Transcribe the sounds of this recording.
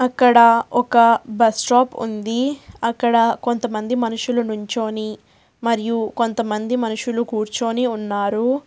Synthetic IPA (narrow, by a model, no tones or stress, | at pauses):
ɐkːɐɽɐɔkɐbɐsʈoːpṵnd̪iɐkːɐɽɐko̞nt̪ɐmɐnd̪imɐnuʂulɐnuɲt͡ʃo̞ːni | mɐɾijuko̞nt̪ɐmɐnd̪imɐnuʂulukuːɾt͡ʃoːniunːaːɾu